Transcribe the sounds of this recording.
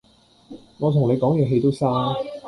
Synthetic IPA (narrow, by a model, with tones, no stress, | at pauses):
ŋɔː˨˧t̪ʰʊ˨˩ŋne˨˧jkɔː˨˥ŋjɛː˨˧ɦe˧jt̪o˥wsaː˥